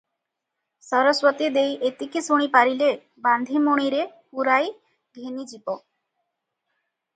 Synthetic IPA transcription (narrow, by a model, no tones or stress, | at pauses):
sɔɾɔswɔt̪id̪ejʔet̪ikisuɽ̃ipaɾile | band̪ʱimoɽ̃iɾepuɾaj | ɡʱenid͡ʒibɔ